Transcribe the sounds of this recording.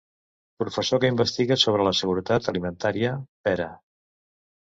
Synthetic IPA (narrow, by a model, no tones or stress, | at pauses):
pɾufəsokəimbəst̪iɣəsoβ̞ɾələsəɣuɾət̪at̪əlimənt̪aɾiəpɛɾə